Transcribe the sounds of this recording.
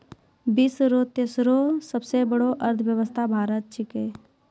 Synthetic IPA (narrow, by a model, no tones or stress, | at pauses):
bisɾoːt̪jəsɾosəbsebəɽoʔəɾt̪ʰʋjəʋəst̪ʰabʱaːɾət̪̚t͡ʃʰɪkeː